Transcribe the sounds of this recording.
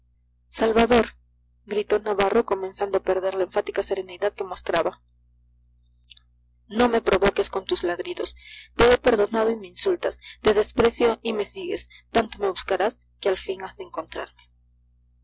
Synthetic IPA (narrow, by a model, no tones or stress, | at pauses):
salβaðo̞ɾ | ɡɾit̪o̞naβaro̞ko̞mẽ̞nsand̪oape̞ɾðe̞ɾlaeɱfat̪ikase̞ɾe̞niðaðke̞mo̞st̪ɾaβa | no̞me̞pɾo̞βo̞ke̞sko̞nt̪uzlaðɾiðo̞st̪e̞epe̞ɾðo̞nað̞o̞ime̞insult̪ast̪e̞ðe̞spɾe̞sjo̞ʔime̞siɣe̞s | t̪ant̪o̞me̞βuskaɾaskealfiŋazðeeŋko̞nt̪ɾa̰ɾme̞